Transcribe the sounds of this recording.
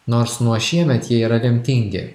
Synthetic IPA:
noːɾsnuɔʃʲiɛmʲɛt̪jiɛiːɾɐlʲɪmʲt̪ʲɪŋʲɡʲɪ̰

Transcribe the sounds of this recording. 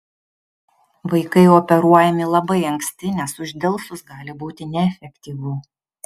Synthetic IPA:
ʋɐɪkɐɪɔpʲɛɾuɔjɛmʲɪlˠɐbɐɪɐŋksʲt̪ʲɪnʲɛsʊʒʲd̪ʲɛlˠsʊsɡɑːlʲɪbuːt̪ʲɪnʲɛɛfʲɛkʲt̪ʲiːʋʊ

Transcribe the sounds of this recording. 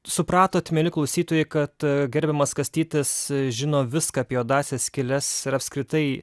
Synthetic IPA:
sʊpɾɑːt̪oːt̪ʲmʲɛlʲɪklˠɐʊsʲiːt̪oːjɛɪkɐt̪ɡʲɛɾʲbʲɛmɐskɐsʲt̪ʲiːt̪ʲɪsʒʲɪnoːʋʲɪskɑːpʲɛoːd̪ɑːsʲeːskʲɪlʲɛsɪɾɐpskɾʲɪt̪ɐɪ

